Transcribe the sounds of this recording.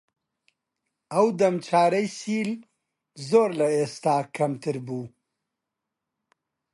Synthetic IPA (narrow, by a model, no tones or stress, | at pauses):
ɐwd̪ɐmt͡ʃʰaːɾɐjsiːl | zoːɾlɐeːst̪aːkʰɐmt̪ʰɨɾbuː